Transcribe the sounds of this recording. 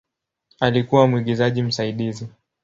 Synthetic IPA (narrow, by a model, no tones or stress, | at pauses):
alikuwamwiɠizaʄim̩saiɗizi